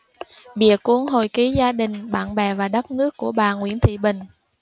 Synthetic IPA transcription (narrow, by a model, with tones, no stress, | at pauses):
ɓḭ˧˨əku˧˦ənɦo˨˩jki˨˦zaː˧ɗï˨˩ŋ̟ɓa̰ː˧˨nɓɛ˨˩vaː˨˩ɗə˦˥t̚nɨ˦˥əkːu˧˩əɓaː˨˩ŋwi˧˥ənt̪ʰḭ˧˨ɓï˨˩ŋ̟